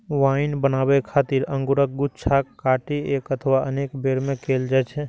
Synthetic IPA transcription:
ʋaːɪnbənaːbekʰaːt̪iɾə̃ŋɡʊɾək̚ɡʊt͡ʃʰakːaːʈieːkət̪ʰəʋaəneːkbeːɾmẽkeːld͡ʒaːt͡ʃʰe

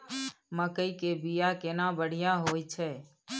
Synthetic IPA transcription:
məkəikebijakenãːbəɽ̤ɪjãɦoːit͡ʃʰeː

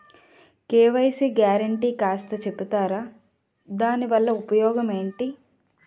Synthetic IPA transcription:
keːʋɐjɐsiɡjaːɾɐɳʈiːkaːst̪ɐt͡ʃe̞pːut̪aːɾaː | d̪aːniʋɐlːɐupɐjɔːɡɐme̞ːɳʈi

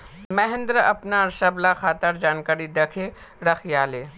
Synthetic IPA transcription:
mɛɦɪ̃nd̪ɾəɐpnaɾʃɐblaxaːt̪əɾd͡ʒaːnkaːɾid̪ekʰe | ɾɐxjaːleː

